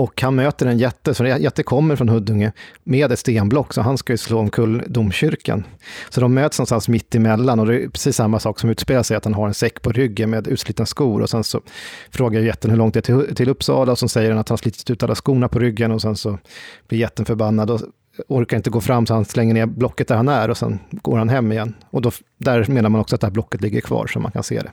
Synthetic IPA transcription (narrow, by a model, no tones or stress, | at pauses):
ɔkhanmøːt̪əɾɛnjɛt̪ːəsɔjɛt̪ːəkʰɔmːəɾfɾɔnhɵd̪ːɵŋːəmeːd̪ɛt̪st̪eːnblɔkːsɔɦanskajɵsloːɔmkʰɵld̪umɕʏɾkʰa̰nsɔd̪ɔmːøːt̪snɔnst̪ansmɪt̪ːɪmɛlːanɔd̪ɛpʰɾɛsiːsːamːasɑːksɔmʉ̟ːt̪speːlaʂɛjat̪hanɦaɾɛnsɛkːpʰɔɾʏɡːənmeːd̪ʉ̟ːt̪sliːt̪naskuːɾʔɔ̰sɛnsɔfɾoːɡaɾjɛt̪ːənhɵɭɔŋt̪̚ɛæt̪ʰɪlɵpːsɑ̰ːlaɔsɛnsɛjːəɾhanat̪hanaʂliːt̪ɪt̪ʉ̟ːt̪ʰalːaskuːnapʰɔɾʏɡːənɔsɛnsɔb̥lɪɾjɛt̪ːənfœɾbanːad̪ɔ | ɔɾkaɾɪnt̪əɡoːfɾamːsɔhanslɛŋːəneːɾblɔkːət̪̚d̪æɾhanæɾɔsɛ̰nɡo̰ːɾhanɦɛmːɪjɛnːɔd̪ɔ | d̪æɾmeːnaɾmanɔksɔat̪̚d̪ɛhæːblɔkːət̪lɪɡːəɾkʰvɑ̰ːɾʂɔma̰nkʰa̰nsḛːd̪ɛ̰